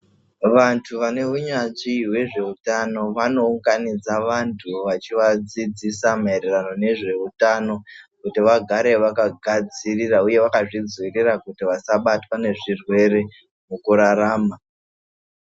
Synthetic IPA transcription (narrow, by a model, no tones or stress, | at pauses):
ʋantʰuʋane̞uɲat͡ʃiwe̞ʐe̞utano̞ʋano̞uŋɡanid͡zaʋantʰuʋat͡ʃiʋad͡zid͡zisamae̞ɾe̞rano̞ne̞ʐe̞utano̞kutiʋaɡʱaɾe̞ʋakaɡʱad͡zirirauje̞ʋakaʐid͡zwirirakutiʋasaɓatwane̞ʐirwe̞re̞ | mukuɾaɾaːma